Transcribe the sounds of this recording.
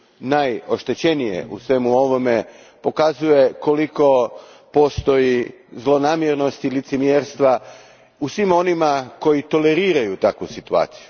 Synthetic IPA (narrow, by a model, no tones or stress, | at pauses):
najo̞ʃt̪e̞t͡ɕe̞nije̞̰ʔṵsʋe̞muo̞ʋo̞me̞ | po̞kazuje̞ko̞liko̞ | po̞st̪o̞jizlˠo̞naːmjeɾno̞st̪ilit̪semjeɾst̪ʋa | usʋimo̞nimako̞jit̪o̞le̞ɾiːɾajut̪akʋusit̪ua̰ːt̪si̥ju